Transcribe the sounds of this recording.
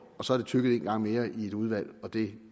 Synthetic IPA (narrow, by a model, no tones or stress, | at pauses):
ɒ̽sɒ̽æɐɾ̥e̝t͡sʰyɡəð̩ˠe̝nɡ̥ɑ̈ŋ̰me̝ːɐʔie̝d̥uð̞ˠʋæl̰ɒ̽d̥e̝